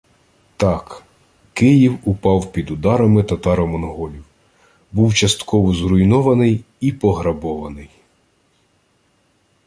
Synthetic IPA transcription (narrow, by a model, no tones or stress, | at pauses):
t̪ɑk | kɪjiwʊpɑwpʲid̪ʊd̪ɑɾɐmɪt̪ɐt̪ɑɾɐmɔnɦɔlʲiw | buwt͡ʃɐst̪kɔʋɔzɾʊjnɔʋɐnɪj | ipɔɦɾɐbɔʋɐnɪj